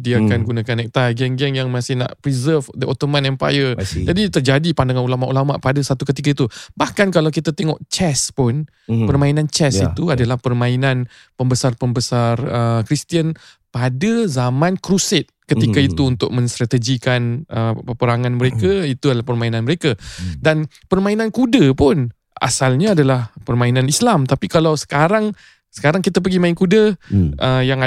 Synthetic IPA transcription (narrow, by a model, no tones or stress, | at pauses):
diakanɡunakanɛk̚t̪ajɡɛŋɡɛŋjaŋmãsɪhna̰ʔpɾizərfdəot̪omãnɛ̃mpa̰jəd͡ʒadit̪ərd͡ʒadipandaŋanulamaʔulama̰ʔpadasat̪ukət̪ik̬ait̪ubahkank̬alawkit̪at̪ɛŋɔʔt͡ʃɛspʊn | pərmãinant͡ʃɛsit̪uadalahpərmãinãn | pəmbəsarpəmbəsarəkɾist̪iən | padəzamãnkɾusɪt̪̚kət̪ikait̪uunt̪ʊk̚mə̃nst̪ɾat̪əɡikanʔəpəpəɾaŋãnməɾekait̪uadalahpərmainãnməɾekadan | pərmãinãnkudəpʊn | ʔa̰salɲaːdalahpərmãinãnislamt̪apikalawsə̥kaɾaŋ | sə̥kaɾaŋkit̪ap̬əɡimainkudəʔəjaŋ